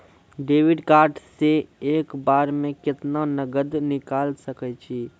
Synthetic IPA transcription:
ɖeʋiɖkaːɾʈʰsẽekbaːɾmẽkɪt̪nanəɡəd̪nikalsəkɛt͡ʃʰi

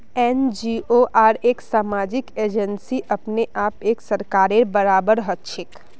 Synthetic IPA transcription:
ɛːnd͡ʒioʔaːɾeːksaːmaːd͡ʒɪkeːd͡ʒənsiʔɐpneʔaːpeːksəɾkaːɾebəɾaːbəɾɦətt͡ʃʰɪk

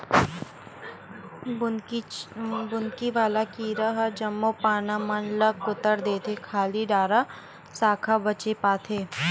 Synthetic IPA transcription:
bʊnkiʋaːlakiːɾaɦɐd͡ʒɐmːopaːnamɐnləkːʊt̪əɾd̪eːt̪ʰekʰaːliɖaːɾa | saːkʰabɐt͡ʃepaːt̪ʰeː

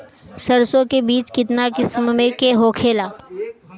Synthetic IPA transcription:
sɐɾsõkebiːt͡ʃkɪt̪nakɪsmmẽkeɦoːkʰeːlaː

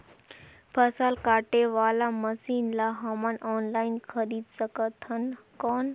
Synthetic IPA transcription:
pʰɐsaːlkaːʈeʋaːlamɐsiːnlaɦɐmanɔːnlaːɪnxɐɾiːd̪sɐkət̪ʰːɐn | kɔːn

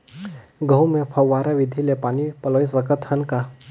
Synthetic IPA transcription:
ɡəwmẽpʰɐʋːaːɾaʋid̪ʱilepaːnipələjsəkət̪hənka

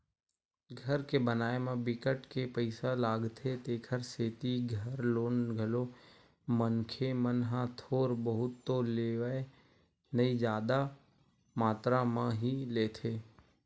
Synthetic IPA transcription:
ɡʱəɾkebənaːemãbɪkəʈkepəɪsalaːɡt̪ʰet̪eːkʰəɾseːt̪iɡʱəɾloːnɡʱəlo | mənkʰemənɦãt̪ʰoːɾbəɦʊt̪ːoleːʋəe | nɐĩd͡ʒaːd̪a | maːt̪ɾamãɦileːt̪ʰeː

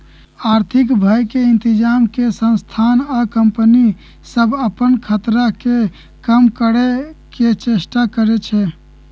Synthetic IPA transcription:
aɾt̪ʰikbʱajkeɪnt̪id͡ʒamkesə̃nst̪ʰanakəmpəni | səbʱəpənkʰət̪ɾake | kəmkəɾeket͡ʃesʈakəɾɛt͡ʃʰɛ

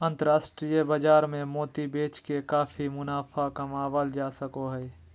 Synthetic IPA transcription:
ə̃nt̪əɾaːsʈɾijəbad͡ʒaːɾmẽmoːt̪ibeːt͡ʃkekaːfʰimʊnaːfʰakɐmaːʋəld͡ʒaːsəkoɦɛː

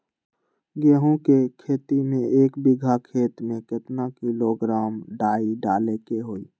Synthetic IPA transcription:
ɡəɦõkekʰeːt̪imẽeːkbɪɡʱakʰeːt̪mẽkɪt̪nakiloɡɾaːmɖaːiɖaːlekeɦoːi

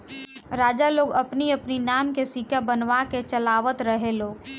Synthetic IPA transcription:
ɾaːd͡ʒaloːɡɐpniɐpninaːmkesikabənʋaket͡ʃəlaːʋət̪ɾəɦeloː

